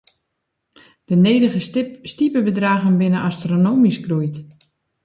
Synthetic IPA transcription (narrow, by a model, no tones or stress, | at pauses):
d̥əneːdəɣəstipəbədraːɣənbɪnəʔastronoːmiskrujt